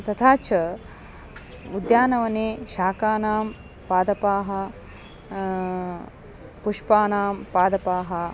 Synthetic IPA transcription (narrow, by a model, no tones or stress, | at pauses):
t̪ɐt̪ʰaːt͡ʃʰɐ | ud̪jaːnɐʋɐneːʃaːkaːnaːm | paːd̪ɐpaːɦɐ̆ | puʂpaːnaːmpaːd̪ɐpaːɦɐ